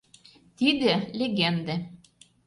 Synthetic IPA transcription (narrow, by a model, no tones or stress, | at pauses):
t̪id̪ĕlʲeɣend̪ĕ